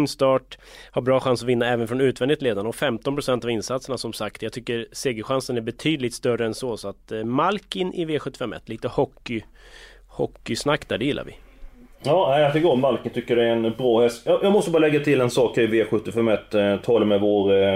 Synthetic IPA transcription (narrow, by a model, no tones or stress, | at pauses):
nst̪ɑːʈhaɾbɾɑːɧansɔvɪnːaɛːvənfɾɔnʉ̟ːt̪vɛnɪt̪leːd̪anɳəɔkfɛmt̪ɔnpʰɾʊsɛnt̪avɪnsat̪səɳasɔmsakt̪jaɡt̪ʰʏkːəɾseːɡəɧansənæɾbɛt̪ʰyːd̪lɪt̪st̪œrəɛnsɔsɔat̪malkɪnʔɪveːɧɵt̪ːɪ̥fɛmːɛ̰t̪ːliːt̪əhɔkːɪ | hɔkːɪsnakːd̪æ̰ːɖɛjɪlːa̰ɾvɪ̰ | ɑːnæɪat̪ɡomalkɪnt̪ʰʏkːəɖɛæɾɛnbɾɑːhɛsjɑjɑːɡmɔst̪əbɑːɾlɛɡːat̪ʰɪlɛnsɑːkəɾɪveːɧɵt̪ːɪfɛmːɛt̪ːt̪ʰːɔləmɛvoːɾ